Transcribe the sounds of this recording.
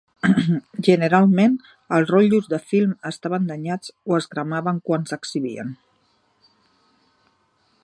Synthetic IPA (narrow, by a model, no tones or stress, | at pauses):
ʒənəɾalˠmen | əlˠzrɔʎuzðəfilˠməst̪aβənd̪əɲat͡soəzɣɾəmaβəŋkwansəksiβiə̰n